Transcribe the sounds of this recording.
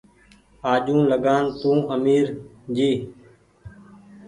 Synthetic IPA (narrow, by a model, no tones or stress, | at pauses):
aːʄũːləɡaːnt̪ũːʔəmiːɾd͡ʒiː